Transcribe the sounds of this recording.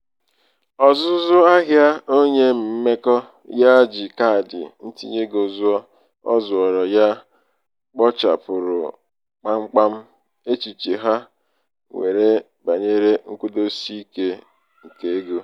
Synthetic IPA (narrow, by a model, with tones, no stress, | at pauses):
ɔ˨zʊ˦zʊ˦a˦ɦja˦o˦ɲe˦m̩˨m̩˦me˦kɔ˦ | ja˦d͡ʒi˨ka˦˨dɪ̰˨n̩˦tḭ˦ɲe˦ɡo˨zʊ˦ɔ˦ | ɔ̰˦zʊ˨ɔ˨ɾɔ˨ja˦ | k͡pɔ˦t͡ʃa̰˨pʊ˨ɾʊ̰˨ | k͡pa˦ŋ͡m̩˦k͡pa˦m̩˦ | e˦t͡ʃi˨t͡ʃe˨ɦa˦ | ŋʷḛ˨ɾe˦ | ba˨ɲe˦ɾe˦ŋ̩˦ku˦do˦si˦i˦ke˦ | ŋ̩˨ke˨e˦ɡo˦